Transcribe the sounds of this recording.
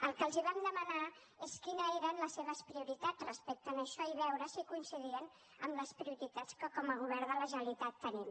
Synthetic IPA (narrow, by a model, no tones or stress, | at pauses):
əlˠkəlˠziβamd̪əməna | eskinəeɾənləsːeβəspɾiuɾit̪ad͡zrəspɛk̚t̪ənəʃɔiβɛwɾəsikuinsiðiən | ə̰mləspɾiuɾit̪at͡skəkɔməɣ̞uβɛɾðələʒənəlit̪at̪ːənim